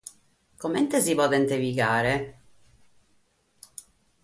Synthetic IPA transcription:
komɛnt̪esivɔd̪ɛnt̪eviɡaːɾe

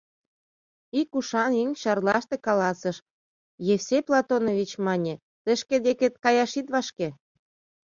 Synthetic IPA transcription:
ikuʃɑniŋɕɑrlɑʃt̪ĕkɑlɑsəʃ | jefseplˠɑt̪onoβʲit͡ɕmɑnʲĕ | t̪ə̆ʃked̪eket̪kɑjɑʃit̪βɑʃke

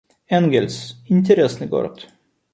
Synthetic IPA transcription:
ɛnɡʲɛlʲsɪnʲt̪ʲɛɾɛsnəɡɔ̰ɾt̪

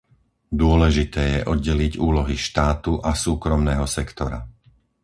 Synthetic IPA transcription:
d̪ʊɔlɛʒit̪ɛːjɛʔɔd̪̚ɟɛliɟuːlɔɦiʃt̪aːt̪uʔasuːkɾɔmnɛːɦɔsɛkt̪ɔɾa̰

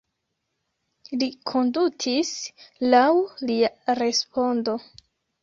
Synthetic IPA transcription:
likʰo̞ndutʰislawliaɾe̞spo̞ndo̞

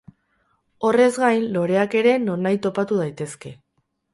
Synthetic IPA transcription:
o̞re̞zɡajnlo̞ɾe̞ake̞ɾe̞no̞najt̪o̞pat̪uðajt̪e̞ske̞

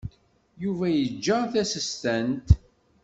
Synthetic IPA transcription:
juvæjəd͡ʒːəθæsəst̪ænt̪

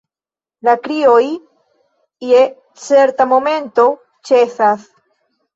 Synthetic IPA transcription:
lakɾioj | ie | t͡se̞ɾt̪amo̞me̞nt̪o̞ | t͡ʃeθas

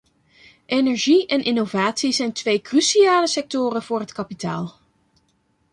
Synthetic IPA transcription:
ʔenɛɹʒiɛnʔɪnovaːtsizɛjntʋejkrysiaːləsɛk̚tʊːrənv̥ʊːɹɦətkɑpita̰ːlˠ

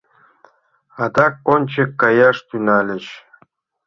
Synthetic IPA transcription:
at̪ak̚onʲt͡ʃʰekːajaʂt̪ynalʲeʃ

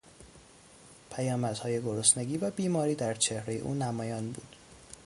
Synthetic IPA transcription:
pʰæjɒːmæd̪̥hɒːje̞ɡoɾosneɟiːvæbiːmɒːɾiːd̪æɾt͡ʃʰehɾe̞je̞ʔṵːnæmɒːjɒːnbuːd̪̥

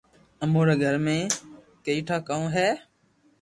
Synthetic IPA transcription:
əmoːɾeːɡʱəɾmẽː | kəiːʈʰaːkaːõːɦɛː

